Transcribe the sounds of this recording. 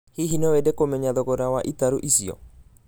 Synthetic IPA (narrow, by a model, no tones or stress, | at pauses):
hiɦinɔwɛdɛkomɛɲaðɔkɔɾawaʔit̪aɾoʔisiɔ̰